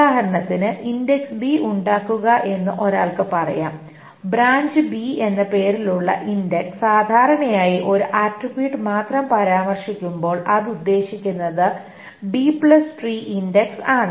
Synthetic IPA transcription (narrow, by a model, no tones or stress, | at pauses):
aːɦɐɾɐɳɐt̪ːinɨʔindeksbiuɳɖaːkːuɣɐʔe̞nːuʔo̞ɾa̰ːɭkɨpɐrɐ̰ja̰ːm | bɾaːɲd͡ʑɨbie̞nːepe̞ːɾiluɭːɐ̰ʔindekssaːd̪ʱaːɾɐɳɐjaːjiʔo̞ɾuʔaːʈribjiːʈːɨmaːt̪rɐmpɐɾaːmɐrʂikʲːumbo̞ːɭʔɐðud̪ːe̞ːɕikʲːunːɐðɨ | bipɭɐsʈriːʔindeksaːɳɨ